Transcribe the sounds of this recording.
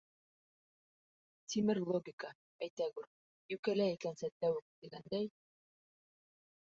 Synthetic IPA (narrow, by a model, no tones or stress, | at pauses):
t̪ʲimɘɾlˠoɡʲiɪkə | æjt̪æɡuɾ | jʉkælæikænsæt̪ːæwɘk̚d̪̥iɡænd̪æj